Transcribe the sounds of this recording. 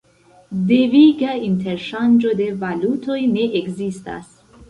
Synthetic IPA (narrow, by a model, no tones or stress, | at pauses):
deviɡainte̞ɾʃand͡ʒo̞de̞valutʰo̞jne̞ʔekzista̰s